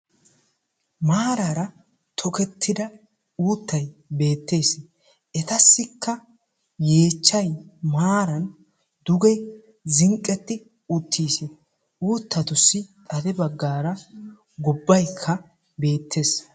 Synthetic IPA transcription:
maːɾaɾɐ | t̪ʰɔkɛt̪ːɪd̪ɐ | uːt̪ːɐjbe̞ːt̪ːe̞ːs | ʔɛt̪ɐsːɪkʰːɐ | je̞ːt͡ʃːɐjmaːɾɐn | d̪ʊɡɛ | zɪŋkʼːɛt̪ːɪ | ʊt̪ʰːiːs | ʔuːt̪ːɐt̪ʊsːɪt̪ʼɐd̪ɛbɐɡːaːɾɐ | ɡɔbːɐjkʰːɐ | be̞ːt̪ʰːe̞ːs

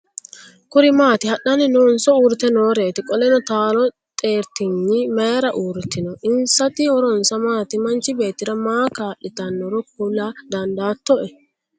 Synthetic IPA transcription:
kʊɾɪmaːt̪ɪhɐɗɐnɪnɔːnsɔuːɾɪt̪ɛnoːɾe̞ːt̪ɪkʼɔlɛnɔt̪aːlɔ | t̪ʼe̞ːɾt̪ɪɲːɪmeːɾɐʔuːɾɪt̪ːɪnɔʔɪnsɐt̪ɪhɔɾɔnsɐmaːt̪ɪmɐnt͡ʃɪbe̞ːt̪ːɪɾɐmaːkaːʔːɪt̪ɐnːɔɾɔkulad̪ɐnd̪aːt̪ːɔʔɛ

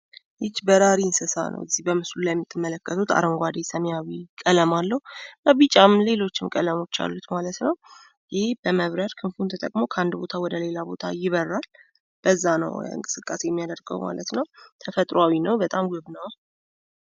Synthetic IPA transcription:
jɪt͡ʃːbəɾaɾinsɨsa̰nʔə̰wɛzːihbəmɨslulajɛmːit̪ʰːɨmːələkːət̪ʰut̪a̰ɾəŋɡʷad̪esəmjawikʼələmalːəhuɨnabit͡ʃʼamle̞lo̞t͡ʃːɪmkʼələmo̞t͡ʃːa̰lːut̪malət̪nəw | jɪheb̥əməβɾəɾkʰɨnfunt̪ʰət̪ʼəkʼmo̞kʰəand̪bo̞t̪ʰawɔd̪əle̞labo̞t̪ʰajɪβərːal | b̥əzːanə̰wɨ̰ŋkʼɨ̥sɨkʼːase̞jɛmːijad̪əɾɡə̰wma̰lət̪nəwt̪ʰəfət̪ʼɾoawinəwbət̪ʼamɡɨβnəw

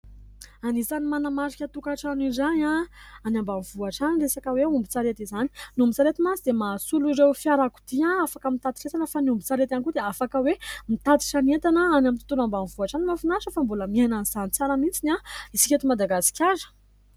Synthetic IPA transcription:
anisanimanamaɾikʲət̪ukaʈ͡ʂanizanãanambamivuaʈ͡ʂaniresakəweumbit͡saɾet̪izani̥numbut͡saɾet̪imasid̪emasuluiɾewfiaɾaku̥t̪iãafakəmit̪at̪i̥ʈ͡ʂet̪anəfaniumbut͡saɾet̪anikud̪eafakəwemit̪at̪i̥ʈ͡ʂanet̪anəanamit̪u̥t̪unambanivuaʈ͡ʂanimafinaʃəfambuləmiajnaniz̥anit͡saɾəmit͡sinʲaisi̥kʲet̪umad̪aɡasi̥kʲaɾə̥

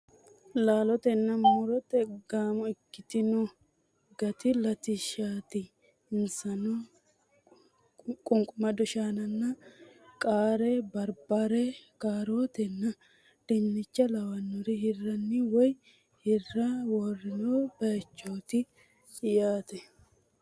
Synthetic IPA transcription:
laːlɔt̪ɛnːɐmʊɾɔt̪ɛɡaːmɔɪkːɪt̪ɪnɔ | ɡɐt̪ɪlɐt̪ɪʃaːt̪ɪ | ɪnsɐnɔ | kʼʊŋkʼʊmɐd̪ɔʃaːnɐnːɐkʼaːɾɛbɐɾbaɾɛkʼaːɾoːt̪ɛnːɐ | d̪̥ɛnːɪt͡ʃːɐlɐwɐnːɔɾɪhɪrːɐnːɪwɔj | hɪrːɐwɔrːɪnoːb̥ɐjɐt͡ʃːoːt̪ɪ | ɪjaːt̪ɛ

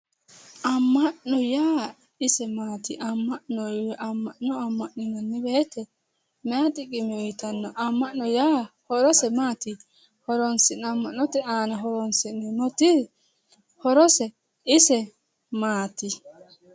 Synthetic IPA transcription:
ʔamːaʔnːɔja | isɛmatiʔamːanɔwɛʔamːanɔamːaʔnunɔnːibɛtɛ | matiɡimiwitanːɔʔamːaʔnɔjahɔɾɔsɛmati | hɔɾɔnsinamːanɔtɛaːnaɦɔɾɔnsininɔti | hɔɾɔsɛ | isɛ | mati

